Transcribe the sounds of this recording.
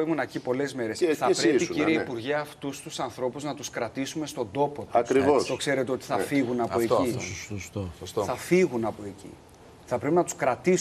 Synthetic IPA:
imunecipo̞le̞zme̞ɾesθɐpɾeiciɾieipuɾʝeɐft̪ust̪usɐnθɾo̞puznɐt̪uskɾɐt̪isume̞st̪o̞nd̪o̞po̞t̪uɐɾivost̪o̞kse̞ɾe̞t̪eo̞t̪i̥θɐfiɣunɐpoeisost̪oθɐfiɣunɐpo̞e̞cḭ | θɐpɾepinɐt̪u̥skɾɐt̪is

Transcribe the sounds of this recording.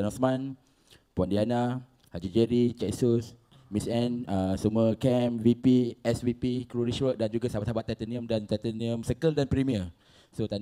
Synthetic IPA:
anɔsmãn | puandiana | had͡ʒid͡ʒəɾit͡ʃajsus | misɛnəsəmuəkɛmvipiɛsvipikɾuɾiswək̚dand͡ʒuɡasabat̪sabat̪ːat̪əniə̃mdant̪ɛt̪əniə̃msəkəldanpɾimiə | sot̪an

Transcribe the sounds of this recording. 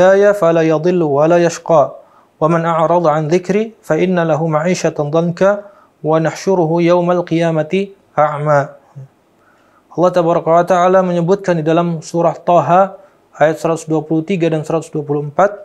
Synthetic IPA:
ajafalajɑd̪ˤɨlːwalaːjaʃqɑː | wamanʔaʕɾˤɑd̪ˤʕanðɪkɾiːfaʔɪnːalaɦumaʕiːʃat̪d̪ˤɑnka | wanaħʃʊɾʊɦujawmalqijaːmat̪i | ʔaʕmaː | ʔɑlːɑht̪abaɾˤɑkawat̪aʕalaməɲəbʊt̪̚kandidalamsuɾɑt̪ˤːɑɦa | ʔajat̪̚səɾat̪ʊ̥sduapulut̪iɡadansəɾat̪ʊsduapuluəmpat̪̚

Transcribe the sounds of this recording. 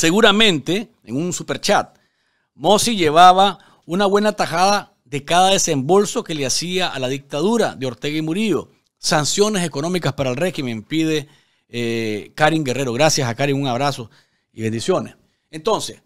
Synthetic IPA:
se̞ɣuɾamẽ̞nt̪e̞ | ḛŋunsupe̞ɾt͡ʃat̪̚ | mo̞siʝe̞βaβa | unaβwe̞nat̪axaða | ðe̞kaðaðe̞se̞mbo̞lso̞ke̞leasiaʔalaðik̚t̪aðuɾa̰ðeo̞ɾt̪e̞ɣaimuɾio | sansjo̞ne̞se̞ko̞nõ̞mikaspaɾaelre̞ximẽ̞ŋpiðe̞ | kaɾiŋɡe̞reɾo̞ɣɾasjasakaɾiŋuŋaβɾaso̞ | iβe̞nd̪isjo̞nes | ent̪o̞nses

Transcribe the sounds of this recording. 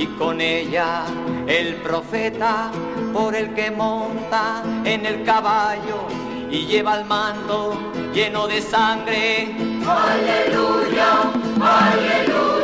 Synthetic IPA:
iko̞ne̞ʎa | e̞lpɾo̞fe̞t̪a | po̞ɾe̞lke̞mõ̞nt̪aene̞lkaβaʝo | iʎe̞βalmãnt̪o | ʝe̞no̞ðe̞saŋɡɾe̞ | alelujaael

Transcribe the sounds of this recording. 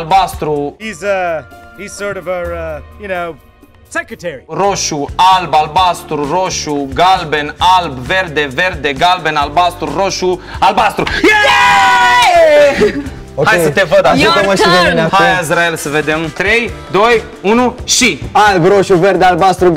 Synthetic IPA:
albast̪ɾuhizɐhiz̥sɔɹɾʌvəʌjɨnoʊ | sɛkɹɨtʰɛɹiroʃualbalbast̪ɾuroʃuɡalbenalbve̞rd̪eve̞rd̪eɡalbenalbast̪ɾuɾoʃualbast̪ɾujæ | okajesət̪evəd̪ajet̪əmaʃiveminahajaizɾaelsəved̪emt̪ɾejd̪o̞j | unuʃialbɾoʃuveɾd̪ealbast̪ɾu

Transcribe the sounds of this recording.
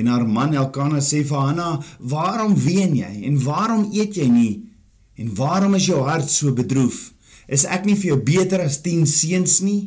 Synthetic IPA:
ɛnɦaːrmɐnɛlˠkɑːnɐseːfəɦɐnɐvɑːɾɔmviənjɛ̰jɛnvɑːɾɔmiətjɛjni | ɛnvɑːɾɔməs̬jœwɦɐrtsuəbədɾuf | ʔəsæ̰knifərjœwbiətəɾɐstinsiənsni

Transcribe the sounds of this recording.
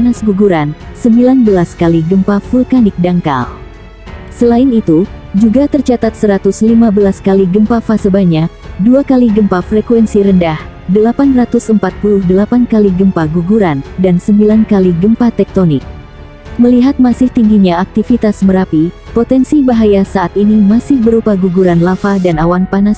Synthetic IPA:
nasɡuɡuɾansəmbilanbəlaskaliɡəmpafulkanɪk̚daŋka̰l | səlaɪnit̪ud͡ʒuɡat̪ərt͡ʃat̪at̪səɾat̪uslimabəlaskaliɡəmpafasəbaɲak̚duakaliɡəmpafɾɛkwɛnsiɾəndah | dəlapanrat̪usəmpat̪̚puluhdəlapankaliɡəmpaɡuɡuɾandansəmbilankaliɡəmpat̪ɛk̚t̪onɪk̚ | məliɦat̪̚masɪht̪iŋɡiɲaak̚t̪ifit̪asməɾapipot̪ɛnsibaɦajasaʔat̪inimasɪhbəɾupaɡuɡuɾanlafadanawanpanas

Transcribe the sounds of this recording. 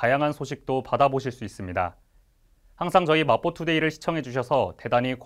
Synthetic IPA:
ajaŋɦansʰoɕ̬ʰik̚t͈opadaboɕ̬ʰiɭs͈uis͈ɯmɲida̰ | haŋsʰaŋd͡ʑʌimap͈ʰotʰude̞iɾɯɭɕʰi̥t͡ɕʰʌŋɦe̞d͡ʑuɕ̬ʰʌsʰʌte̞daɲik

